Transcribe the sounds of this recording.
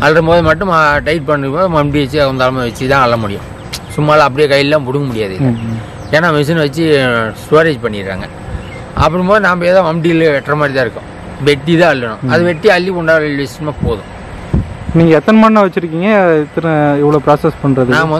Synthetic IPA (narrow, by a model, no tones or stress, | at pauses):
ɐlɾɯmboːðɯmɐʈːɯmʈɐɪʈ̚pɐɳːɾɯpoːðɯmɐmʈiʋɛt͡ʃːɯɐnd̪aːlɐmaʋɐt͡ʃːit̪ãːɐɭːɐmʊɽɪ̰jʊ̰̃ | sʊmːaːlãːɐp̬ːɐɽɪjɐkɐjɪlːãːpʊɽɯŋɡɐmʊɽɪjaːðɯɪlːɐ | eːnaːmɪs̬ɐnʋɐt͡ʃːɯsoːɾeːd͡ʒpɐɳːɪɾkːa̰ːŋɡɐ | ɐ̰pːɐɾɯ̃mboːðɯnaːmbɐjeːðaːmɐmʈilʋɛʈːrɐmaːd̪ɾɪt̪ãːɪɾɯkːʊ̃ | ʋɛʈːit̪ãːɐɭːɐnʊ̰̃ɐðɯʋɛʈːiɐɭːikɔɳɖaːɭlʋɪsɪʈːɐmaːpoːðʊ̰̃ | niːŋɡɐɛt̪ːɐnɐmaːnnãʋɐt͡ʃːɪɾɯkːiːŋɡɐɪt̪ːɐɾɪʋːɐɭoːpɾaːsɛspɐɳːɾɐðɯnaːmɐɐ